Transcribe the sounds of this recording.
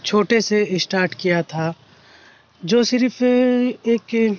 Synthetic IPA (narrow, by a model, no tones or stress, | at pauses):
t͡ʃʰoːʈeseɪsʈaːɾʈkijat̪ʰa | d͡ʒoːsɪɾpʰ | eːk